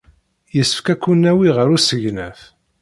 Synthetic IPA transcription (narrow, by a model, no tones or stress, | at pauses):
jəsːə̥fkækːunːæwiʁəɾusəʝnəθ